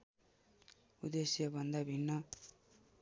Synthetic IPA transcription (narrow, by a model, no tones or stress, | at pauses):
ud̪esjɐbʌnd̪ʱabʱinːʌ